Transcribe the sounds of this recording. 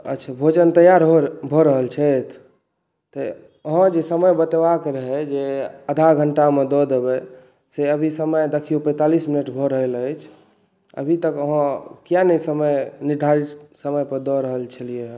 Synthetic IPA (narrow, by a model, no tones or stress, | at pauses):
ə̰ʃʰabʱod͡ʒənt̪əjaɾɦobʱoɾəɦəlt͡ʃʰət̪ʰ | t̪ɔ | əɦə̃d͡ʒesəməjbət̪ebakeɾəɦɛd͡ʒeəd̪ʱaɡʱəɳʈamed̪ɔd̪ebɛ | seəbʱisəməjd̪ekʰijopɛ̃ɪ̃t̪alisminəʈbʱoɾəɦɛləjt͡ʃʰ | ə̰bʱit̪əkəɦə̃kijanəjsəməjniɾd̪ʱaɾit̪səməjpəɾd̪ɔɾəɦəlt͡ʃʰəlije